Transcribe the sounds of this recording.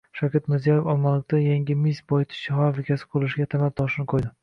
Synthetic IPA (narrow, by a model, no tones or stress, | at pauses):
ʃakʲʰɪt̪mɪɾzijajefɒlˠmalˠɪk̚ʲt̪ajaŋʲɪmisbɒjt̪ʰɪ̥ʃɪχɒɾlɪkʲʰasɪ̥qʰolˠɪʃɪɡʲat̪ʰamat̪̚t̪ʰɒʃɪnɪqʰojd̪ɪ